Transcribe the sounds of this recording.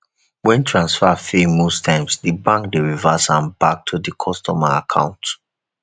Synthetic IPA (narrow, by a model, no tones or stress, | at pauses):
wɛ̃ntʰɹãnsfafemostʰãɪ̃msdɨbãŋkdiɹivəsãnbak̚tʰudikʰɔstɔmaa̰kʰã̰ʊ̃nt